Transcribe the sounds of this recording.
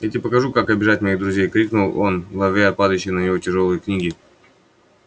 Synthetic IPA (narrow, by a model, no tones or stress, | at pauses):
jatʲɪpəkɐʐukakɐbʲɪʐatʲmɐjiɣd̪ɾʊzʲejkɾʲiknʊlˠo̞nɡlˠɐvɾʲapad̪əjɕːɪjnəjɪvo̞tʲɪʐolˠɨjəknʲiɡʲɪ